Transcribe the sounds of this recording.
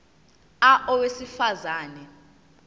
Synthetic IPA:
aʔɔwesifazaːnɛ

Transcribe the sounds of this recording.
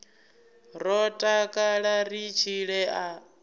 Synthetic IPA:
ɾɔtʼakʼaɺarit͡ʃʰiɺɛʔa

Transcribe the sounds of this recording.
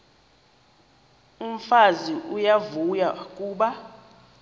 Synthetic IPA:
um̩faziʔujavujakʼuːɓa

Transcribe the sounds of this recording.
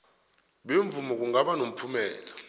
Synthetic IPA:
ɓeɱvumɔk̬uŋaɓanom̩pʰumɛ̰ːla

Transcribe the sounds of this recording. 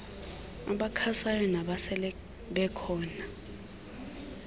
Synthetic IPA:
a̰ɓakʰasajɔnaɓasɛlɛ | ɓɛkʰɔːna

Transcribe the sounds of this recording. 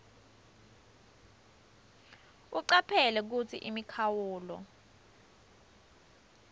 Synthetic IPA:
uǀapʰɛlɛk̬ut͡sʰḭʔimikʰawuːlɔ̰

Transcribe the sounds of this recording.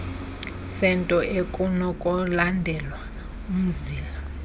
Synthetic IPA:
sɛntʼɔʔekʼunɔkʼɔlandʱɛlwa | um̩ziːla

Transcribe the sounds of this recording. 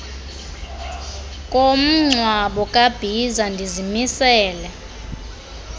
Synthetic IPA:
kʼom̩ŋ͡ǀʱwaɓɔkʼab̥ʱizandʱizimisɛːlɛ

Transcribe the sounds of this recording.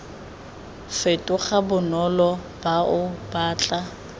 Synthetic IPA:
fetʼʊχabʊnɔlɔ | b̥aʔʊb̥aːt͡ɬʼa

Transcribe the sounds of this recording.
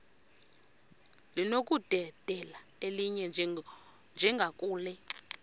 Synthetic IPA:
linok̬ʼud̥ʱɛd̥ʱɛlaeliɲɛ | nd͡ʒʱɛŋɡʱakʼuːlɛ

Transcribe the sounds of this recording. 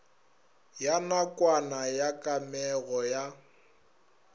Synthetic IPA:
janakʼwanajakʼamɛɣɔja

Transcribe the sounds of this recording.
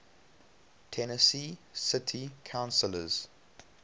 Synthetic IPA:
tʰɛnəsisɪtʰikʰãʊ̃nsələz̥

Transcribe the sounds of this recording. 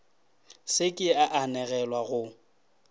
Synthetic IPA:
sɪkʼɪaʔanɛɣɛlwaɣʊ

